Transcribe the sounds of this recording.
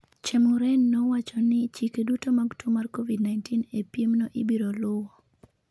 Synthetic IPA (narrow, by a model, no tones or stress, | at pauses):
t͡ʃemʊɾɛnːɔwat͡ʃɔnɪt͡ʃikedutomaɡtʰumarkovidnajntinepjemnɔʔɪbiɾolʊwɔ